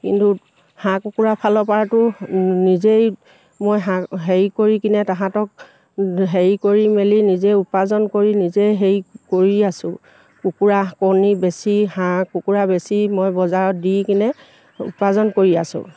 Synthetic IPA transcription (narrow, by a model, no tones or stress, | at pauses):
kḭntu | hãkukuɹapʰalɔpaɹtʊnizej | mojɦaɦeɹikoɹikinɛtaɦãtɔk̚ | ɦeɹikoɹimelinizejupazɔnkoɹinizejɦeɹjkoɹiasʊ̃ | kukuɹakonibesihãkukuɹabesimojbɔzaɹɔt̚dikinɛ | ṵppazɔnkoɹiasʊ̰̃